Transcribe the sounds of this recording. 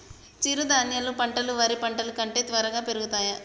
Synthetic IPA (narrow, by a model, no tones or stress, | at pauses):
t͡ʃiɾud̪aːnjɐlupɐɳʈɐluʋɐɾipɐɳʈɐlukɐɳʈe̞ːt̪ʋɐɾɐɡaːpe̞ɾuɡut̪aːjɐ